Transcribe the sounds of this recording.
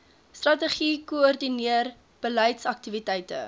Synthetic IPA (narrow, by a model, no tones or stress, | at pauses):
strɐtəχikoɔrdiniər | b̥əlɛjtsɐk̚tivitɛjtə̰